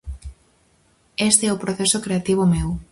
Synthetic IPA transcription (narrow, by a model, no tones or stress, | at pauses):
est̪eɛʊpɾoθesʊkɾeat̪iβ̞ʊmew